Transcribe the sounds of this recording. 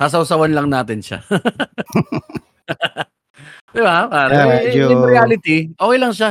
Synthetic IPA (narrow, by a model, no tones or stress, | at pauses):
haːs̬ɐwsɐwɐnlɐŋnaːt̪ɪnʃa̰ | d̪ɪbaapaːɾɐɪmɾɪaːlɪt̪iʔoːkɛjlɐŋʃa